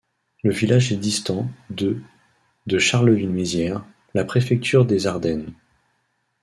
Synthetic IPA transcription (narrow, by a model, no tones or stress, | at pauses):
ləvilaʒɛd̪ist̪ɑ̃d̪ə | d̪əʃaʁləvinɥizjɛʁ | lapχefɛk̚t̪ʰyʁd̪ezaʁd̪ɛn